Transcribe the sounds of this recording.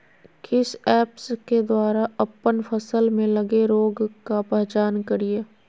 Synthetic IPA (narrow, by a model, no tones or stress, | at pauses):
kɪsɛːpsked̪waːɾaɐpːənfʰɐsəlmẽlɐɡeɾoːɡkapɛɦt͡ʃaːnkɐɾie